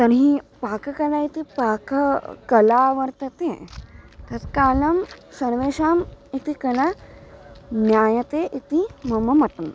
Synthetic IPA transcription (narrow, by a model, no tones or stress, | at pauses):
t̪ɐnɦĩpaːkɐkɐlaːit̪ipaːkɐkɐlaːʋɐɾt̪ɐt̪ẽːt̪ɐt̪kaːlɐmsɐɾʋeːʃaːmit̪ikɐlɐ | njaːjɐt̪eːʔit̪imɐmɐmɐʈɐm